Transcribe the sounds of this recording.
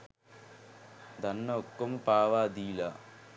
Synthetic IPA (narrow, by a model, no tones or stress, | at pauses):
d̪ɐnːɐokːɐmupaːʋaːd̪iːla